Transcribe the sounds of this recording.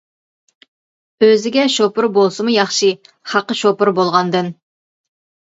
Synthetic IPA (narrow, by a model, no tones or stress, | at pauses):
øzɪɡʲɛʃopʊɾbolˠsɨmujɑχʃi | χɑqəʃopʊɾbolˠʁɑnd̪ɨn